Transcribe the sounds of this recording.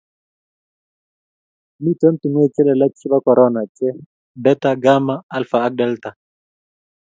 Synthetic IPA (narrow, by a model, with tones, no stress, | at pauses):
mi˦tʼɛ˦m̩˦tʼi˨ŋe˦i˨t͡ʃʼɛ˦lɛ˨la˦t͡sʰi˦ba˦kɔ˨ɾɔna˨t͡ʃʼɛ˦ | bɛ˦taɡa˦maː˦lfaː˨˦k̚dɛ˦lta˨